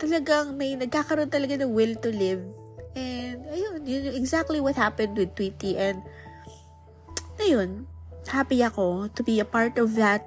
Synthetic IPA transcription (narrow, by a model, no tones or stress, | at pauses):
t̪ɐlɐɡaŋmɐjnɐɡ̚kakɐɾo̞nt̪ɐlɐɡanɐwɪlt̪ʊlɪv | ʔɛnd̪ɐjonjʊnoʔɛɡzak̚t̪liwɔt̪̚hapɛ̃nd̪wɪd̪̚t̪wit̪iʔɛ̃nd̪̚ | ɐjo̞nhapiɐko̞t̪ʊbiɐpaɹt̪ɔvðɐt̪̚